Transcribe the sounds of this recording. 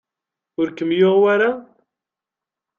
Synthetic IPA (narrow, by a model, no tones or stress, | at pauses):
ʊɾkəmjoʁwaɾa